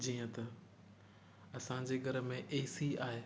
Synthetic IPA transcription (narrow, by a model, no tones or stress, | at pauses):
d͡ʑiːə̃t̪ɐ | ɐsã̆d͡ʑeːɡʱɐɾə̆mẽʔeːsiaːɦe